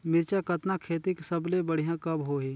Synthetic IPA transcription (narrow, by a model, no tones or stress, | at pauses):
mɪɾt͡ʃakɐt̪nakʰeːt̪iksɐblebɐɽ̤ijãkɐbɦoːɦeː